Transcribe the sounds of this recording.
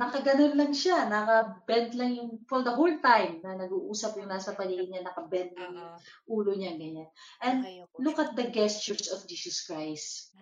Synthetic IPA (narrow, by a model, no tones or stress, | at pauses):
nɐkɐɡɐnonlɐŋʃanɐkɐbɛnt̪lɐŋjʊŋfɔɾd̪ɐɦolt̪ajmnɐnɐɡuːʔuːsɐp̚jʊŋnaːsɐpɐliːʔɪɲanɐkɐbɛnt̪̚lɐŋjʊŋʔuːloɲaɡɐɲanʔɛnd̪lʊkɐt̪̚d̪ɐɡɛst͡ʃʊɹsɔfd͡ʒiːsɐskɹajst̪